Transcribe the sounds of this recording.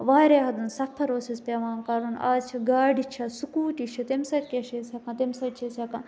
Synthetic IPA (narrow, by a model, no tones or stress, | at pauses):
ʋaːɾeːɦɐd̪unsɐpʰɐɾoːsɐspʲɐʋaːnkɐɾuna̰ːzt͡ʃʰɐɡaːɖit͡ʃʰɐsukuːʈit͡ʃʰɐt̪emsɐɾkʲɐʃesʲɐkãt̪emsɐt͡ʃʰesʲɐkãː